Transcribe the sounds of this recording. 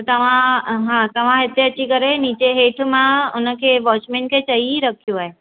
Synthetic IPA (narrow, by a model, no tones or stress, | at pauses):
t̪ot̪ɐʋ̤ãɦãt̪ɐʋ̤ãɪt̪eɐːt͡ʃʰikəɾeniːt͡ʃeɦeːʈʰmãʊnəkʰeʋɔːt͡ʃmẽɳʈkʰet͡ʃəɦiɾəkʰjuaːe